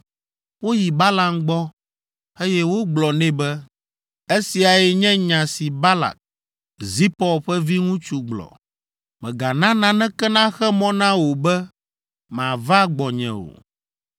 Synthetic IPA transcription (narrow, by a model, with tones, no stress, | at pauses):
wo˦ji˨ba˦la˨mɡ͡bɔ˦ | e˦jɛ˦wo˦ɡ͡blɔ˨nɛ̃˦bɛ˦ | e˦si˨a˨jɛ˨ɲɛ̃˦ɲã˨si˨ba˦la̰˨k̚ | zi˦pɔ˦ɸɛ˦vi˦ŋũ˦t͡ʃu˦ɡ͡blɔ̰˨ | mɛ̰̃˨ɡa˨nã˦nã˦nɛ̃˦kɛ˦nã˦xɛ˦mɔ̃˦nã˦wo˨bɛ˦ | mã˨va˦ɡ͡bɔ˨ɲɛ̰̃˨wo̰˨